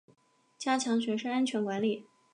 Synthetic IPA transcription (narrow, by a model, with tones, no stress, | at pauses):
t͡ɕja˥t͡ɕʰjɑ˧˥ŋɕɥɛ˧˥ʂə˥ŋa˥nt͡ɕʰɥɛ˧˥nkwa˧˥nli˨˩